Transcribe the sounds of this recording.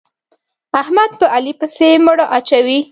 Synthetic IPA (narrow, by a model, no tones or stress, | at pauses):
ahmad̪̚pəʔalipəseməɽaʔat͡ʃawi